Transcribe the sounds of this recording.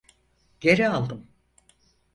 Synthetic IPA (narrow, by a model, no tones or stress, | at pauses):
ɟ̥e̞ɾialˠd̪ɯm